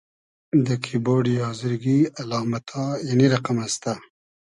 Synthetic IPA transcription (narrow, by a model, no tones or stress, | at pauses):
d̪əkʰiboːɖijɑzɪɾɡialɑːmat̪ʰɑjaniɾaqamast̪a